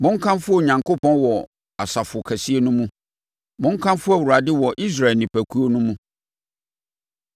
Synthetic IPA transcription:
mʊ̃˦ŋ˦kʰã˦mfʊ˦o˨ɲã˨ŋko˦pʰɔ̃˦nwɔ˨ | a˨sa˨fʊ˨kʰæ˨si˦e˦nʊ̃˦mũ˦ | mʊ̃˦ŋ˦kʰã˦nfʊ˦æ˨wu˨ɾa˨dɪ˦wɔ˨ʔi˦s̬ɾa˨ɛ˨lnĩ˨pæ˨kʰu˦o˦nʊ̃˦mũ˦

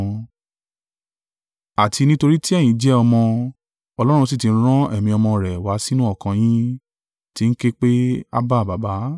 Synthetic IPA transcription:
a˨ti˧nĩ˦to˧ɾi˦ti˦ɛ˦˨jĩ˨˦d͡ʒɛ˦ɔ˧mɔ̃˧ | ɔ˧lɔ˦ɾ̃ũ˧s̬i˦˨tĩ˨˧n̩˦ɾ̃ã˦ɛ˦˨mĩ˧ɔ˧mɔ̃˧ɾɛ˨wa˨˦si˦nũ˦ɔ˦˨kã˧j̃ĩ˦ | ti˦n̩˦ke˦k͡pe˦a̰˦ba˦˨ba˨ba˨˦

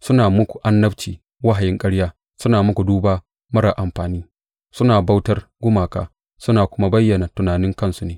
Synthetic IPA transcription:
sʊ˦naː˨mʊ˦kʷu̥˨ʔa˦nːɐ˦bt͡ʃiː˨ | wɐ˦ɦa˨jɪ˦ŋkʼɐ˦ɽjaː˦ | sʊ˦naː˨mʊ˦kʷu˨duː˦baː˦ | mɐ˦ɽa˨ʔa˨mɸaː˨niː˦ | sʊ˦naː˨ba˦wtɐ˦rɡʷʊ˦maː˨ka̰ː˦ | sʊ˦naː˨kʷʊ˦ma˦bɐ˦jːɐ˨na˨tʊ˨naː˨nɪ˦ŋkɐ˦nsu˦neː˨˦

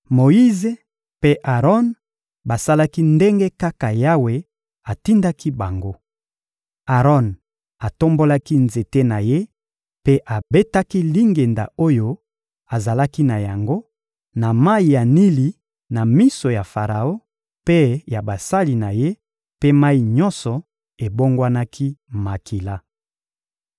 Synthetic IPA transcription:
mo˨i˦ze˨ | pe˦ʔa˨ʁɔ˦n | ba˨sa˦la˦ki˦nde˦ŋɡe˦ka˦ka˨ja˦we˨ | a˨ti˦nda˦ki˦ba˨ŋɡo˦ | a˨ʁɔ˦n | a˨to˦mbo˦la˦ki˦nze˨te˦na˨je˦ | pe˦ʔa˨be˦ta˦ki˦li˦ŋɡe˨nda̰˨o˦jo˦ | a˨za˨la˦ki˦na˨ja˨ŋɡo˦ | na˨ma˦i˨ja˨ni˦li˨ | na˨mi˦so˨ja˨fa˨ʁa˨o˦ | pe˦ja˨ba˨sa˦li˨na˨je˦ | pe˦ma˦i˨ɲɔ˦nsɔ˨ | e˨bo˦ŋɡwa˦na˦kʰi˦ma˨kʰi˨la˦

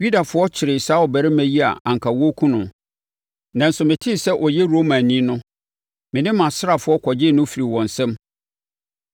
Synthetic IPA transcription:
ju˦da˨fʊ˨˦ɔ˦t͡ɕʰɪ˨ɾɪ˨saː˦ɔ˨bæ˨ɾɪ˦mæ̃˦ji˦a̰˨ã˨ŋ̩˨kʰa˨wo˦kʰũ˦nʊ̃˨ | nã˨n̩˦sʊ˨mɪ̃˨tʰɪ˦˨sɛ˦ʔɔ˨jɛ˦ɾo˦mã˨nĩ˦nʊ̃˦ | mɪ̃˨nɪ̃˦mã˨sɪ˦ɾa˨fʊ˦ɔ˦kʰɔ˨d͡ʑɪː˦˨nʊ̃˦fi˨ɾi˨wɔ̃˨n̩˨sɛ̃˦m

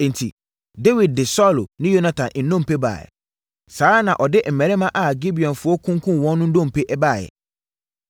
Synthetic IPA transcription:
n̩˨tʰḭ˨ | de˦wi˨d̚dɪ˨sɔ˦˨lo˨nɪ̃˦jo˦na˦tʰã˨nn̩˨nːõ˦˨m̩˨pe˦ba̰ː˨jɛ̰˨ | saː˨˦nã˨ʔɔ˨dɪ˦m̩˨mæ̃˨ɾɛ˦mã˦ʔa˨ɡi˦bi˨ɔ̃˨nfʊ˨ɔ˦kʰũ˦ŋ˦kʰũ˦n˨wɔ̃˦nː˦ʊ̃˦n̩˦dõ˦m̩˨pʰe˦ʔɛ˦baː˦˨jɛ̰˨

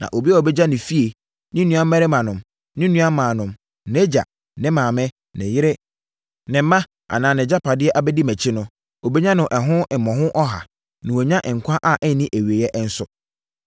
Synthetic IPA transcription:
nã̰˨ʔo˨bi˦a˦ɔ˨bɛ˦d͡ʑa˦nɪ̃˨fi˦e˨ | nɪ̃˦nũ˦ã˦ɛ˦ɾɪ˦mã˨nʊ̃˨m | nɪ̃˦nũ˦a˦mãː˨nʊ̃˨m | ne˦d͡ʑa̰˨ | nɪ̃˦mãː˨mɪ̃˦ | nɪ̃˨jɪ˦ɾɪ˦ | nɪ̃˨m̩˦mã˦ | a̰˨nãː˨nɪ̃˨d͡ʑa˦pʰa˨dɪ˦ɛ˦ʔa˨bɛ˦di˦mæ˨t͡ɕʰɪ˦nʊ̃˦ | o˨be˦ɲã˦nʊ̃˨ʔɛ˨ɦʊ̃˦ɪ˨mːɔ̃˨ɦʊ̃˦ʔɔ˦ɦa̰˨ | nʊ̃˨wo˨ɲã˦ʔɪ̃˨ŋ̩˨kʷʰã˦ʔa˨ʔɛ˦nɪ̃˦ʔæ˨wɥe˨jɛ˦ʔn̩˦sʊ˦

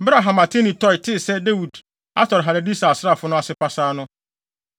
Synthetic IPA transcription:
bɾa˨ɦã˨ma˨tʰe˦nĩ˨tʰɔ˦jtʰɪ˦sɛ˦de˦wu˨d | a˦tʰɔ˨ɾɦa˨ɾa˨di˦sa˨a˨sɾa˦˨fʊ˦nʊ̃˦a˨sɪ˦pʰa˦saː˦nʊ̃˦

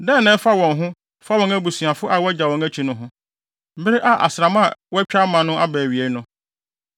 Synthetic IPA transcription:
dɛ̃˦˨nɛ̃˦fa˦wɔ̃˨ŋɦʊ̃˦ | fa˦wɔ̃˨ŋæ˦bu˨su˨a˨fʊ˦ʔa˨wɛ˦d͡ʑa˨wɔ̃˨ŋæ˦t͡ɕʰi˨nʊ̃˦ɦʊ̃˦ | m̩˦bɪ˦ɾe˦ʔa˦ʔa̰˨sɾa˨mã˦˨wɛ˦t͡ɕᶣa˦mã˨nʊ̃˦ʔa˦bæː˨ɥi˨e˨˦nʊ̃˦

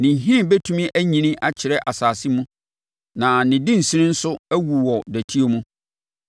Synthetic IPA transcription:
nɪ̃˨ɦɪ̃˦˨be˦tʰũ˦mĩ˦ʔæ˦ɲĩ˨nɪ̃˦ʔa˨t͡ɕʰɪ˨ɾɛ˦ʔa˨saː˨sɪ˦mũ˦ | nã˨nɪ̃˨dɪ̃˦n̩˨si˦ɾɪ̃˦n̩˦sʊ˦æ˦wu˨wɔ˨dæ˨tʰi˦o˦mũ˦

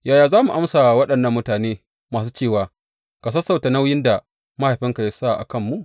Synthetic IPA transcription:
jaː˨jaː˨zaː˦mu˨ʔa˦msa˨wɐ˦ɗɐ˨nːɐ˦mːʊ˦taː˨neː˦ | maː˨s̬uː˦t͡ʃeː˦˨waː˨ | ka˨s̬ɐ˦sːa˨wta˨na˦wjɪ˦nda˨ | ma˦ha˨jɸɪ˦ŋka˨ja˦sa˦˨ʔa̰˨kɐ˦˨mːu˦ʔ

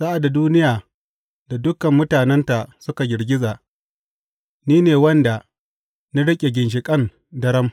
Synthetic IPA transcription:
saː˦ʔa˨da˨duː˦nɪ˦jaː˨ | da˨dʊ˦kɐ˨mːʊ˦taː˨nɛ˦nta˨sʊ˦ka˨ɡʲɪ˨ɽɡʲɪ˦zaː˨ | niː˦neː˨wɐ˦nda˨ | na˦ɽɪ˦kʲʼe˨ɡʲɪ˨nʃ̬ɪ˨kʼɐ˦˨n | dɐ˦ɽɐ˦m

